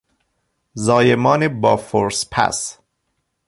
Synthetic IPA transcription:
zɒːjemɒːnebɒːfoɾspʰæ̰s

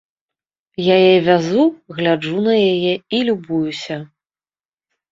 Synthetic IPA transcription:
jajɛvʲazuɣlʲad͡ʐunɐjajɛilʲubujusʲɐ

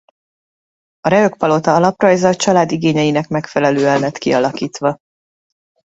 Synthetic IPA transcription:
ɒɾɛø̞k̚pɒlo̞t̪ɒɒlɒprɒjzɒt͡ʃɒlaːd̪iɡeːɲɛjinɛkmɛkfɛlɛløːɛnlɛt̪kiɒlɒkiːt̪ʋɒ

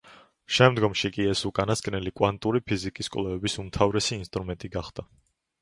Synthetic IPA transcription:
ʃɛmd̪ɡɔmʃikʼiɛsukʼanaskʼnɛlikʼwant̪ʼuɾipʰizikʼiskʼlɛvɛbisumt̪ʰavɾɛsiːnst̪ʼɾumɛnt̪ʼiɡaχd̪̥a

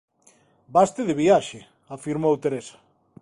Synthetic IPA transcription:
bast̪ɪðeβiaʃe | afiɾmowt̪eɾesḁ

